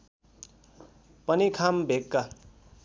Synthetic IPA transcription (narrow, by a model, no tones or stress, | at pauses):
pʌnikʰambʱekːa